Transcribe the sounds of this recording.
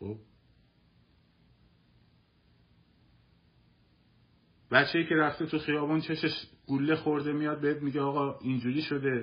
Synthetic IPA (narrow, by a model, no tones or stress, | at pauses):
ob̚ | bæt͡ʃʰːe̞jiːcʰe̞ɾæft̪e̞t̪ʰuxijɒːbuːnt͡ʃʰe̞ʃeʃɡ̥ulːe̞xoɾd̪e̞mijɒːd̪̚be̞het̪̚miːɟeɒːɣɒːind͡ʒuːɾiːʃo̞d̪e̞